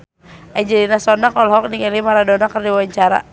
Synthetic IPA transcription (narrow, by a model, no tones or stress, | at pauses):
ɛɲd͡ʒɛdinasɔnakɔlɦɔk̚nikalimaɾadɔnakərdiwawaɲt͡ʃaɾa̰